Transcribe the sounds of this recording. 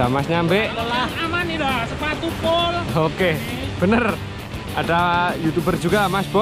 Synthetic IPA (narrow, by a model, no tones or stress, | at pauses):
amasɲambeʔt̪əlahamanilasəpat̪upoloke | b̥ənər | ʔadajut̪ubərd͡ʒuɡamasb̥ɔ